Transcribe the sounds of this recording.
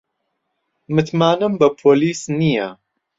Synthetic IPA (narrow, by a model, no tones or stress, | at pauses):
mɨt̪maːnɨmbɐpʰoːliːsnijɛ